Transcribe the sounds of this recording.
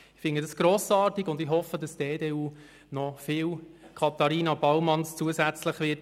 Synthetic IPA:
ɪfɪnədɑsɡ̥ɾoːsɑːɾtiɡʊndɪɦɔfədɑsd̥eːdeːuː | nɔfɪːwkʰɑt̪ɑɾiːnɑb̥ɑwmɑnst͡suəsæt͡sləχʋɪt

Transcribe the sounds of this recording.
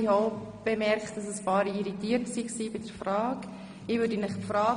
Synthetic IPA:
ɪhoʊb̥emɛɾkχt̚d̥ɑsəspɑːɾiiɾitiːəɾtsiːksiːbɪd̥əɾfrɑːk | ɪʋʏːɾdənɪχpfɾɑː

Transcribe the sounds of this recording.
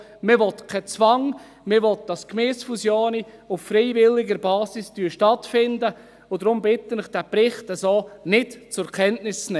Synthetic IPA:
mɪʋɔt̪kʰɛt͡sʋɑŋ | mɪɾʋɔt̚d̥ɑskmeːsfusjoːniʊffɾɛɪvɪlːɪɡəɾbɑːsɪsd̥yːʃtɑtfɪndə | ʊdɾʊmbɪtənɪχd̥æpɾɪχtɛsoːnɪtt͡sʊɾkʰɛntnɪst͡snɛ

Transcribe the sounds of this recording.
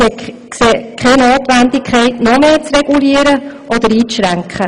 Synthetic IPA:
ɛː | kseːkʰχɛnoːt̪ʋænd̪ɪkʰχɛɪtnɔmeːt͡srɛɡ̥uliːəɾəʔɔd̪əɾiːt͡sʃɾæŋkχə

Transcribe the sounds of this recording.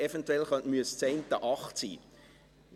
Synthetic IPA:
ɛfɛntwɛlχœntmyəst͡seɪnt̪əʔɑχtsḭː

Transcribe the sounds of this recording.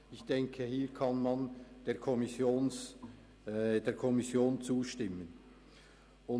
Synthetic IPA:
ɪçd̥ɛŋkʰəhiːɾkʰɑnmɑnd̥eːɐʁkʰɔmɪsjoːn | d̥eːɐkʰɔmɪsjoːnt͡suːʃtɪmən | ʔʊ

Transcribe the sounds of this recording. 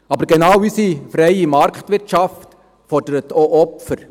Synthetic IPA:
ɑbəɾɡenɑwysifɾɛɪimɑɾktvɪɾtʃɑft | fɔrdəɾətoʔɔpfəɾ

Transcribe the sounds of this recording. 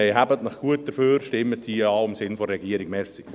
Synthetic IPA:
eɪɦæbətnəχɡ̥uət̚d̥əføːɾʃtɪmːət̚diːɑːɪmsɪnfɔːɛɡiəɾɪɡmɛsɪ̥

